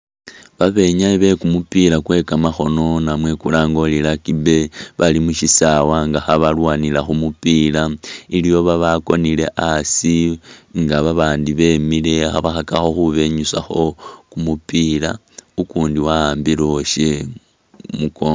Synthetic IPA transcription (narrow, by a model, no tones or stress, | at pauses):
βaβe̞ɲaiβe̞kumupilakwe̞kamaxo̞no̞namwe̞kulaːŋɡo̞lilakibe̞βalimuʃisawaŋɡaxaβalwaːnilaxumupilailijo̞βaβako̞nile̞ʔasiŋɡaβaβaːndiβe̞mile̞xa̰βaxakaxo̞xuβe̞ɲusaxo̞kumupila | ukuːndiwaaːmbiloʃe | muko